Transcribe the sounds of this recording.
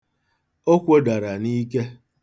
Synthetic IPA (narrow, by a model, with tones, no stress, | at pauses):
o˦kʷo˦da˨ɾa˨ni˦ke˦